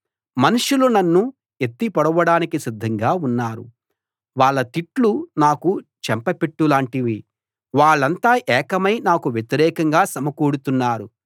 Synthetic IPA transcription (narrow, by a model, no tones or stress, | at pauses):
mɐnuʂulunɐnːu | et̪ːipɐɽɐʋɐɽaːnikisid̪ʱːɐŋɡaːunːaːɾṵ | ʋaːɭːɐt̪iʈlunaːkut͡ʃɛmpɐpeʈːulaːɳʈiʋi | ʋaːɭːɐnt̪aːʔɛːkɐmɐjnaːkuʋjet̪iɾɛːkɐŋɡaːsɐmɐkuːɽut̪unːaːɾu